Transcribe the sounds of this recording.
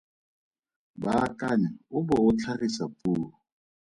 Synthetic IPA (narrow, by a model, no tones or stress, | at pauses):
bakʼaɲaʊbɔʊt͡ɬʰarisapʼuːlʊ